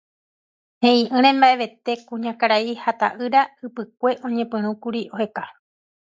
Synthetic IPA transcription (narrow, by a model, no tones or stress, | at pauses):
hẽĩʔɨ̃ɾ̃ẽ̞mbaʔe̞ʋe̞t̪e̞kũɲãkaɾaihat̪a̰ʔɨɾaɨpɨk̚ʷe̞ʔõ̞ɲẽpɨ̃ɾ̃ũkuɾiʔo̞he̞ka